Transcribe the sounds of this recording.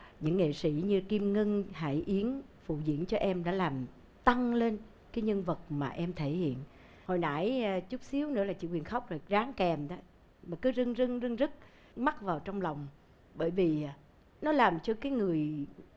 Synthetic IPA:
ɲɨ̰˧˥ŋːḛ˧˨sḭ˧˥ɲɨ˧ki˧mŋə˧ŋha̰ː˧˩jʔi˨˦ən | fṵ˧˨zḭ˧˥ənt͡ɕɔ˧ʔɛ˧mɗa̰ː˧˥laː˨˩m | t̪a˧ŋle˧n | kaː˨˦jɲə˧nvə˨˩t̚maː˨˩ʔɛ˧mt̪ʰe˧˩hḭ˧˨ən | ho˨˩jna̰˧˥jt͡ɕu˦˥k͡p̚si˨˦əwnɨ̰˧˥əlaː˨˩t͡ɕḭ˧˨kwi˨˩ənxa˦˥wk͡p̚zo˨˩jzaː˨˦ŋkɛ˨˩mɗa˨˦ | maː˨˩kɨ˨˦zɨ˧ŋzɨ˧ŋzɨ˧ŋzɨ˦˥t̚ | ma˦˥t̚vaː˨˩wt͡ɕɔ˧wŋ͡mla˨˩wŋ͡m | ɓəː˧˩jvi˨˩˨ | nɔ˨˦laː˨˩mt͡ɕɔ˧kaː˨˦jŋɨ˨˩əj

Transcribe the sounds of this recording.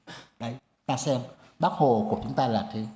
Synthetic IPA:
ɗa˨˦j | t̪aː˧sɛ˧m | ɓa˦˥k̚ho˨˩ku˧˩ət͡ɕʊ˨˦ŋ͡mt̪aː˧laː˨˩t̪ʰe˨˦

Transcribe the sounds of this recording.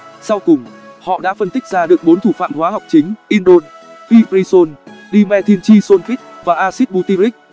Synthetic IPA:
sa˧wkʊ˨˩ŋ͡mhɔ̰˧˨ɗa̰ː˧˥fə˧nt̪ɪ˦˥k̟̚zaː˧ɗɨ˨˩ək̚ɓo˨˦nt̪ʰu˧˩fa̰ː˧˨mhwaː˨˦ha˨˩wk͡p̚t͡ɕï˨˦ŋ̟ʔi˧nɗo˧n | fi˧ɾi˧so˧nɗi˧mɛ˧t̪ʰi˧ənt͡ɕi˧so˧nki˦˥k̟̚vaː˨˩ʔaː˧si˦˥t̚ɓu˧t̪i˧ɾi˦˥k̚

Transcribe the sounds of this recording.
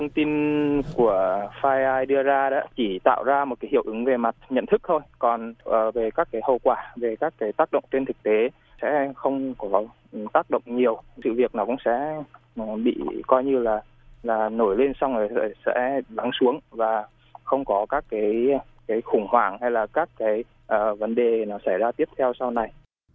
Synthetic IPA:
fʰə˧wŋ͡mt̪i˧nku˧˩əfaː˧jʔaː˧jɗɨ˧əzaː˧ɗa̰ː˧˥t͡ɕi˧˩t̪a̰ː˧˨wzaː˧m˨˩t̚kaː˨˦hi˧˩əwʔɨ˨˦ŋve˨˩ma˨˩t̚ɲə̰˧˨nt̪ʰɨ˦˥k̚t̪ʰo˧jkɔ˨˩nʔəː˨˩ve˨˩kaː˦˥k̚ːaː˨˦jhə̰˧˨wkwaː˧˩ve˨˩kaː˦˥kːaː˨˦jt̪aː˦˥k̚ɗə̰˧˨wŋ͡mt͡ɕe˧nt̪ʰɨ˨˩k̚t̪e˨˦ | sɛ̰˧˥xə˧wŋ͡mkɔ˨˦˨ | t̪aː˦˥k̚ɗə̰˧˨wŋ͡mɲi˨˩əwsɨ̰˧˨vi˨˩ək̚nɔ˨˦kʊ̰˧˥ŋ͡msɛ̰˧˥˨ | ɓḭ˧˨kɔ˧jɲɨ˧laː˨˩ | laː˨˩no˧˩jle˧nsa˧wŋ͡mə˨˩˧sɛ̰˧˥la˨˦ŋsu˨˦əŋvaː˨˩ | xə˧wŋ͡mkɔ˨˦kaː˦˥kːaː˨˦j | kaː˨˦jxʊ˧˩ŋ͡mhwaː˧˩ŋha˧jlaː˨˩kaː˦˥kːaː˨˦j | ʔəː˨˩və˨˦nɗe˨˩nɔ˨˦sa˧˩jzaː˧t̪i˦˥əp̚t̪ʰɛ˧wsa˧wna˨˩j

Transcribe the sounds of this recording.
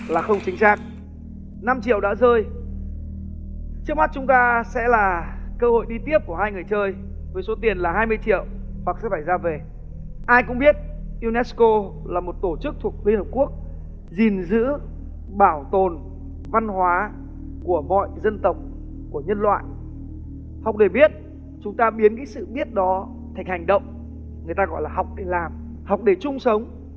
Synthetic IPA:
laː˨˩xə˧wŋ͡mt͡ɕï˨˦ŋ̟saː˦˥k̚ | na˧mt͡ɕḭ˧˨əwɗa̰ː˧˥zəː˧j | t͡ɕɨ˦˥k̚ma˦˥t̚t͡ɕʊ˨˦ŋ͡mt̪aː˧sɛ̰˧˥laː˨˩kəː˧ho̰˧˨jɗi˧t̪i˦˥əp̚ku˧˩əɦaː˧jŋɨ˨˩əjt͡ɕəː˧j | və˨˦so˨˦t̪i˨˩ənlaː˨˩ɦaː˧jmɨ˧əjt͡ɕḭ˧˨əw | hwa˨˩k̚sɛ̰˧˥faː˧˩jzaː˧ve˨˩ | ʔaː˧jkʊ̰˧˥ŋ͡mɓi˦˥ət̚ | ʔi˧nɛ˦˥sko˧ | laː˨˩mo˨˩t̚t̪o˧˩t͡ɕɨ˦˥k̚t̪ʰu˨˩ək̚li˧ənhəː˨˩p̚ku˦˥ək̚ | zi˨˩nzɨ̰˧˥ | ɓaː˧˩wt̪o˨˩n | va˧nɦwaː˨˦ | ku˧˩əmɔ̰˧˨jzə˧nt̪ə˨˩wk͡p̚ | ku˧˩əɲə˧nlwa̰ː˧˨j | ha˨˩wk͡p̚ɗe˧˩ɓi˦˥ət̚ | t͡ɕʊ˨˦ŋ͡mt̪aː˧ɓi˨˦ənkaː˨˦jsɨ̰˧˨ɓi˦˥ət̚ɗɔ˨˦ | t̪ʰa˨˩jŋ̟ha˨˩jŋ̟ɗə̰˧˨wŋ͡m | ŋɨ˨˩əjt̪aː˧ɣɔ̰˧˨jlaː˨˩ha˨˩wk͡p̚ɗe˧˩laː˨˩m | ha˨˩wk͡p̚ɗe˧˩t͡ɕʊ˧ŋ͡msə˨˦wŋ͡m

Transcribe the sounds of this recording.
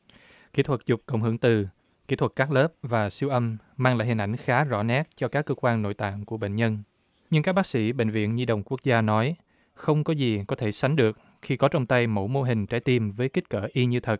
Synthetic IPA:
ki˦˥t̪ʰwə˨˩t̚zʊ˨˩k͡p̚kə̰˧˩wŋ͡mɦɨ˨˧˩əŋt̪ɨ˨˩ | ki˦˥t̪ʰwə˨˩t̚kːaː˦˥k̚ləː˦˥p̚vaː˨˩si˧wʔə˧m | maː˧ŋla̰ː˧˨jɦi˨˩nʔa˧˩jŋ̟xaː˨˦zɔ̰˧˩nɛ˦˥t̚t͡ɕɔ˧kaː˦˥kːəː˧kwaː˧nno̰˧˨jt̪a̰ː˧˨nku˧˩əɓḛ˧˨ŋ̟ɲə˧n | ɲɨ˧ŋkaː˦˥k̚ɓaː˦˥k̚sḭ˧˥˩ɓḛ˧˨ŋ̟vḭ˧˨ənɲi˧ɗə̰˨˩wŋ͡mku˦˥ək̚zaː˧nɔ˨˦j | xə˧wŋ͡mkɔ˨˦zi˨˩kɔ˨˦t̪ʰe˧˩sa˨˦jŋ̟ɗɨ˨˩ək̚ | xi˧kɔ˨˦t͡ɕɔ˧wŋ͡mt̪a˧jmo̰˧˥˩mo˧ɦï˨˩ŋ̟t͡ɕaː˨˦jt̪i˧mvəː˨˦jki̟˦˥kəː˧˩ʔi˧ɲɨ˧t̪ʰə˨˩t̚

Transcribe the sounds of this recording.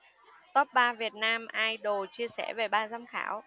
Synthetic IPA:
t̪ɔ˦˥p̚ɓaː˧vi˨˩ət̚naː˧mʔaː˧jɗo˨˩t͡ɕi˧əsɛ̰˧˥ve˨˩ɓaː˧zaː˧mxa̰ː˧˩w

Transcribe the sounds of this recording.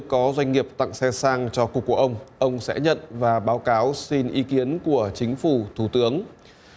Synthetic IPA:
kɔ˨˦zwa˧jŋ̟ŋi˨˩əp̚t̪a̰˧˨ŋsɛ˧saː˧ŋt͡ɕɔ˧kʊ˨˩kːu˧˩əʔə˧wŋ͡mʔə˧wŋ͡msɛ̰˧˥ɲə̰˧˨nvaː˨˩ɓaː˨˦wkaː˨˦wsi˧nʔi˨˦ki˨˦ənku˧˩ət͡ɕï˨˦ŋ̟fu˧˩t̪ʰu˧˩t̪ɨ˨˦əŋ

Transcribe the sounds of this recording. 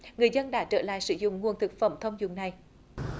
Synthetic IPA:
ŋɨ˨˩əjzə˧nɗa̰ː˧˥t͡ɕə̰ː˧˩la̰ː˧˨jsɨ˧˦zʊ̰˧˨ŋ͡mŋu˨˩ənt̪ʰɨ˨˩k̚fə̰˧˩mt̪ʰə˧wŋ͡mzʊ̰˨˧˨ŋ͡mna˨˩j

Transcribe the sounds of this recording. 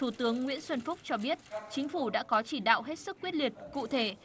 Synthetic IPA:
t̪ʰu˧˩t̪ɨ˨˦əŋːwḭ˧˥ənswə˧nfʊ˦˥k͡p̚t͡ɕɔ˧ɓi˦˥ət̚t͡ɕï˨˦ŋ̟fu˧˩ɗa̰ː˧˥kɔ˨˦t͡ɕi˧˩ɗa̰ː˧˨wɦe˦˥t̚sɨ˦˥kːwi˦˥ət̚li˨˩ət̚kṵ˧˨t̪ʰe˧˩

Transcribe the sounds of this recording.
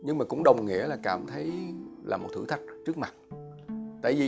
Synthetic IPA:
ɲɨ˧ŋmaː˨˩kʊ̰˧˥ŋ͡mɗə˨˩wŋ͡mŋḭ˧˥əlaː˨˩kaː˧˩mt̪ʰə˨˦jla̰ː˨˩mo˨˩t̪̚ʰɨ̰˧˥˦t̪ʰa˦˥k̟̚t͡ɕɨ˦˥ək̚ma˨˩t̚ | t̪a̰ː˧˨jvi˨˩

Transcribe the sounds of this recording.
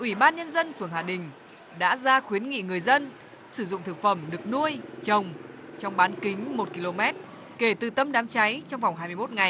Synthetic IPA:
ʔwi˧˩ɓaː˧nɲə˧nzə˧nfɨ˧˩əŋhɦaː˨˩ɗï˨˩ŋ̟ | ɗa̰ː˧˥zaː˧xwi˨˦ənŋḭ˧˨ŋɨ˨˩əjzə˧n | sɨ˧˩zʊ̰˧˨ŋ͡mt̪ʰɨ˨˩k̚fə˧˩mɗɨ˨˩ək̚nu˧əjt͡ɕə˨˩wŋ͡m | t͡ɕɔ˧wŋ͡mɓaː˨˦nkï˨˦ŋ̟mo˨˩t̚ki˧lo˧mɛ˦˥t̚ | ke˧˩t̪ɨ˨˩t̪ə˧mɗaː˨˦mt͡ɕa˨˦jt͡ɕɔ˧wŋ͡mva˨˩wŋ͡mɦaː˧jmɨ˧jmo˦˥t̚ŋa˨˩j

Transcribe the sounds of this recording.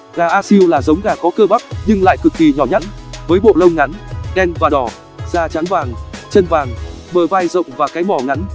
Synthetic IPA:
ɣaː˨˩ʔaː˧si˧əwlaː˨˩zə˨˦wŋ͡mɣaː˨˩kɔ˨˦kəː˧ɓa˦˥k̚ɲɨ˧ŋla̰ː˧˨jkɨ˨˩k̚ki˨˩ɲɔ˧˩ɲa̰˦˧˥nvəː˨˦jɓo̰˧˨lə˧wŋ͡mŋa˨˦nɗɛ˧nvaː˨˩ɗɔ˧˩ | z̥aː˧˩t͡ɕa˨˦nvaː˨˩ŋt͡ɕə˧nvaː˨˩ŋ | ɓəː˨˩va˧jzə̰˧˨wŋ͡mvaː˨˩kaː˨˦jmɔ˧˩ŋa˨˦n

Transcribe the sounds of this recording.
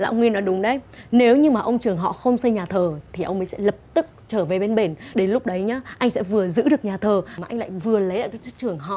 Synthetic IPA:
la̰ː˧˨ʔə˧wŋwi˧ənːɔ˨˦jɗʊ˨˦ŋ͡mɗə˧jne˨˦wɲɨ˧maː˨˩ʔə˧wŋ͡mt͡ɕɨ˨˩əŋɦɔ̰˧˨xə˧wŋ͡msə˧jɲaː˨˩t̪ʰəː˨˩t̪ʰi˨˩ʔə˧wŋ͡mmə˨˦jsɛ̰˧˥lə˨˩p̚t̪ɨ˦˥k̚t͡ɕəː˧˩ve˨˩ɓe˧nɓe˨˩nɗe˨˦nlʊ˦˥k͡p̚ɗə˨˦jɲaː˨˦ʔa˧jŋ̟sɛ̰˧˥vɨ˨˩əzɨ̰˧˥ɗɨ˨˩ək̚ɲaː˨˩t̪ʰəː˨˩maː˨˩ʔa˧jŋ̟la̰˧˨jvɨ˨˩ələ˨˦jlaː˧˨kaː˦˥t͡ɕɨ˦˥k̚t͡ɕɨ˨˩əŋɦɔ̰˧˨

